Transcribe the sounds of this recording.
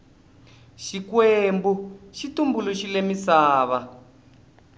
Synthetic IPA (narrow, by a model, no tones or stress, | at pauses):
ʃikwembuʃitumbuluʃilemisaːβa